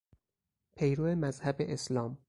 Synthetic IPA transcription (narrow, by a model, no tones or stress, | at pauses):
pʰe̞jɾoːemæzhæbeʔeslɒːm